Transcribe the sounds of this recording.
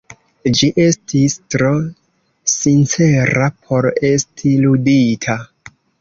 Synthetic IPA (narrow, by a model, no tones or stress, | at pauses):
d͡ʒiʔe̞stʰistɾo | sint͡se̞ɾapʰo̞ɾe̞stʰiluditʰa